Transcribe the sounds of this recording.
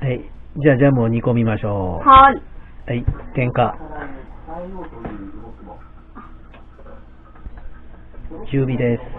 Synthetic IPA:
haid͡ʑaːd͡ʑaːmoɲ̟iko̞mʲimaɕo̞ːhaihait̪ẽ̞ŋka | t͡ɕɨːbʲid̪e̞sɨ̥

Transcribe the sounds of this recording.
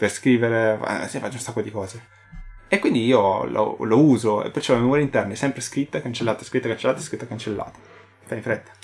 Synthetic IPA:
perskɾiːveɾea̰sifat͡ʃːeunsakːod̪ikɔːze | ekːwind̪iiːolo̰louːzoḛpːert͡ʃɔlamemuːɾjeint̪ɛrnaɛsɛmpɾeskɾit̪ːaekant͡ʃelːaːt̪aeskɾit̪ːakant͡ʃelat̪eskɾit̪ːakant͡ʃelːa̰ːt̪ḁ | faĩfɾet̪ːḁ

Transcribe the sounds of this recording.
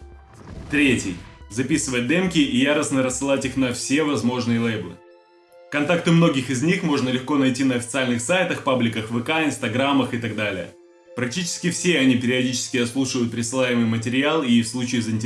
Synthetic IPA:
t̪ɾʲetʲɪ̰jzɐpʲisɨvət̚ʲd̪ɛmkʲɪʔijaɾəsnəɾəsːɨlˠatʲixnɐfsʲe̞vɐzmo̞ʐnɨjəlˠejblˠɨ̰ | kɐnt̪ak̚t̪ɨmno̞ɡʲɪxɪzʲnʲixmo̞ʐnəlʲɪxko̞nɐjtʲinəɐfʲɪt̪sɨalʲnɨxsajt̪əxpablʲɪkəxvɨkaɪnst̪ɐɡɾamːəxɨt̪ɐɡ̚d̪alʲɪjə̰ | pɾɐk̚tʲit͡ɕɪ̥skʲɪfsʲeɐnʲipʲɪɾʲɪɐdʲit͡ɕɪ̥skʲɪɐt̪slˠuʂɨvəjʊt̪̚pɾʲɪsɨlˠajɪmɨjmətʲɪɾʲɪalˠifslˠut͡ɕɪːzəɪnʲtʲ

